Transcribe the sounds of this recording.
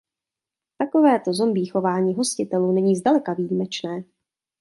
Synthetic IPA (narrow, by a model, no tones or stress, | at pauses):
t̪ako̞vɛːt̪o̞zo̞mbiːxo̞vaːɲiːɦo̞scɪt̪ɛluːnɛɲiːzdalɛkavijimɛt͡ʃnɛː